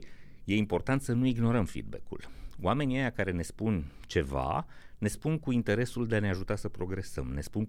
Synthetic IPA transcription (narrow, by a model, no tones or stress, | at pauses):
je̞impo̞rt̪ant̪sənuiɡno̞ɾəmfḭd̪bḛkṵloame̞niejakaɾe̞ne̞spunt͡ʃe̞va̰ne̞spunkuint̪e̞ɾe̞suld̪e̞aneaʒut̪asəpɾo̞ɡɾe̞sə̰mne̞spun